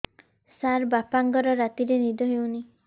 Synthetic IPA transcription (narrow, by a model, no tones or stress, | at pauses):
saɾbapaŋɡɔɾɔɾat̪iɾenid̪ɔɦew̃ni